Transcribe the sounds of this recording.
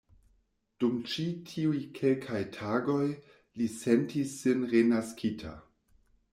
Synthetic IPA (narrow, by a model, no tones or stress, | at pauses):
d̥umt͡ʃitʰiujkʰelkʰajtʰaːɡo̞j | lisentisːinʁenaskʰitʰa̰